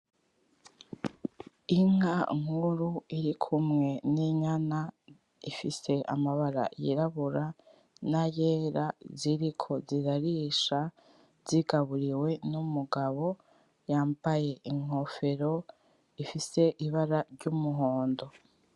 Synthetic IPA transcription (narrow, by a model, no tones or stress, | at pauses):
iŋaŋ̥huɾuiɾikʰumŋe̞niɲana | ifise̞ʔa̰maβaɾa̰jḭɾaβuɾa | naje̞ːɾaziɾikʰo̞ziɾaɾiʃa | z̥iɡaβuɾiwe̞numuɡaβo̞ | jaːmbaje̞iŋ̥o̞fe̞ɾo̞ | ifise̞ʔiβaɾaɾɟumuɦo̞ːndo̞